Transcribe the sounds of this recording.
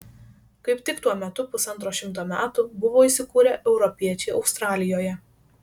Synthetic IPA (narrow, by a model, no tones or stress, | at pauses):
kɐɪpt̪ʲɪkt̪uɔmʲɛt̪ʊpʊsɐnt̪ɾoːʃʲɪmt̪̬oːmʲæːt̪ʊbʊʋoːiːsʲɪkuːɾʲɛʔɛʊɾɔpʲiɛt͡ʃʲɛɪɒʊst̪ɾɑːlʲɪjoːjɛ